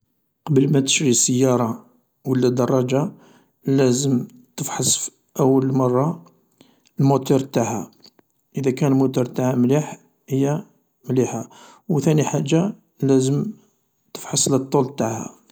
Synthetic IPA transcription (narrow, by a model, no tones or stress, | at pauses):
qɑbəlmæt̪ə̥ʃɾisəjːɑɾˤɑ | wəlːæd̪ɑrˤːɑd͡ʒa | læzəmt̪əfħɑsf | ʔəwːəlmɑrˤːɑ | lmut̪uɾˤt̪aʕhæ | ʔəd̪ækænlmut̪uɾˤt̪ahæmliħ | həjːæ | mliħa | wt̪æniħaʒːa | læzəm | t̪ə̥fħɑslət̪ˤːult̪aʕhæ̰